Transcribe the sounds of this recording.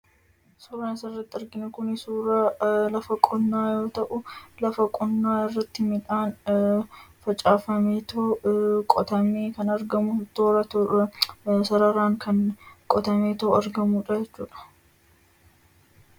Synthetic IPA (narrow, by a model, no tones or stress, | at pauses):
sɔɾaːnsɐɪrːɐt̪ːɪɪɾɡɪnʊkʊnɪsuːɾaːlɐfɐkʼɔnːaːjo̞ːt̪ɐʔʊlɐfɐkʼɔnːaːɪrːɐt̪ːɪmɪᶑaːn | fɐt͡ʃʼaːfɐmeːt̪ɐkʼɔt̪ɐmeːkɐnɐɾɡɐmʊt̪ːoːɾɐ | sɐɾɐɾaːŋkɐnkʼɔt̪ɐmeːt̪ɐʊɐɾɡɐmuːᶑɐd͡ʒɛt͡ʃːuːᶑɐ̥